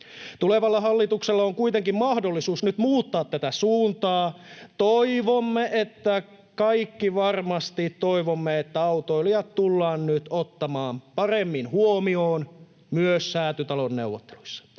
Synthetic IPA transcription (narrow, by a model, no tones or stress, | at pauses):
t̪uleʋɑlːɑhɑlːit̪ukselːɑoŋkuit̪eŋkimmɑhdolːisuːsnyt̪muːt̪ːɑːt̪t̪æt̪æsuːnt̪ɑːt̪oiʋomːeʔet̪ːæ | kɑikːiʋɑrmɑst̪it̪toiʋomːeet̪ːæɑut̪oiliɑt̪t̪ulːɑːnnyt̪ot̪ːɑmɑːmpɑremːinhuomioːn | myøsːæːt̪yt̪ɑlonneuwʋːot̪ːe̥lu̥isːɑ̥